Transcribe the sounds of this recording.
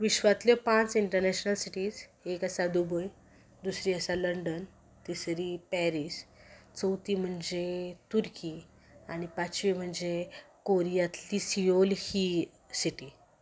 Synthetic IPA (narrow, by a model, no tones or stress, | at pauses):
ʋiɕʋat̪ljəpãt͡siɳʈəɾnɛɕnəlsiʈiːd͡zekəsad̪ubəj | d̪usɾiːəsaləɳɖən | t̪isɾipɛɾiːst͡səwt̪iːm̤əɳd͡zet̪uɾki | anipat͡ɕʋim̤əɳd͡ze | koɾijat̪lisijolhi | siʈi